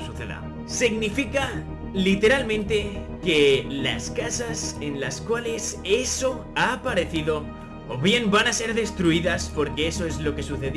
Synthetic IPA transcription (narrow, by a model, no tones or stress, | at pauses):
suθeða̰ | siɡnifika | lit̪e̞ɾalmẽnt̪e̞ | ke̞la̰skasase̞nlaskwale̞se̞so̞ | aːpaɾe̞θiðo̞ | oβje̞mbanase̞ɾðe̞st̪ɾuiðaspo̞ɾke̞eso̞e̞zlo̞ke̞suθeð